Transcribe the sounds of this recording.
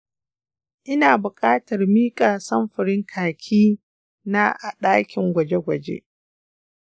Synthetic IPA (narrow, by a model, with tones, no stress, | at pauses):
ʔɪ˦naː˨bʊ˨kʼaː˦tɐ˨rmiː˦kʼaː˨sɐ˦mɸɪ˨ɽɪ˦ŋkʰaː˨kʲʰiː˦ | na˦ʔa˨ɗaː˦kʲɪ˨ŋɡʷɐ˨d͡ʒe˦ɡʷɐ˨d͡ʒḛ˦